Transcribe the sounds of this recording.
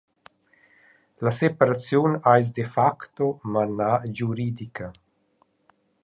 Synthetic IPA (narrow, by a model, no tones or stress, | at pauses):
lasepaɾat͡sjunajs̬d̪efakt̪omanad͡ʒuɾid̪ikʰa